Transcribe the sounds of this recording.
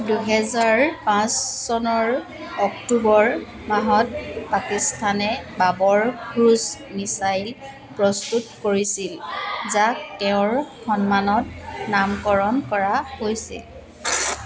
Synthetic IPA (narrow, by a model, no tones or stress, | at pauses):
duɦɛzaɹpãsːɔnɔɹ | ɔktubɔɹ | maɦɔt̚pakistʰanɛbabɔɹkɹus | misajl | pɹɔstutkoɹisilzaktɛʊ̃ɹxɔnmanɔt̚namkɔɹɔnkɔɹahojsḭl